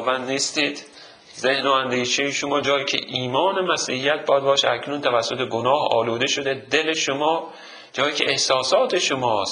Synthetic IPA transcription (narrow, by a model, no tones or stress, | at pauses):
vænd̪niːst̪iːd̪̥ | zehnoænd̪iːʃejeʃomɒːd͡ʒɒːjiːcʰḛʔiːmɒːne̞mæsiːhijæt̪̚bɒːjæd̪̚bɒːʃeæcʰnunt̪ʰævæsːo̞t̪ʰe̞ɡonɒːhɒ̰ːluːd̪e̞ʃo̞d̪e̞d̪e̞leʃomɒː | d͡ʒɒːjiːcʰeʔehsɒːsɒːt̪ʰe̞ʃomɒːst̪